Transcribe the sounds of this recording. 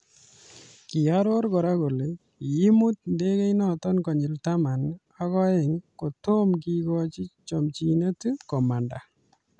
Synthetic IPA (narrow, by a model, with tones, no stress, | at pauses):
ki˨aɾo˦ɾkɔ˨ɾako˨le | ji˦mut̪̚nde˦ke˦jnɔtɔ˦nkɔ˨ɲi˨ltama˨n | akɔje˨ŋko˨to˦mk̬ikɔt͡ʃi˦t͡ʃɔmt͡ʃine˦tukɔmanda˨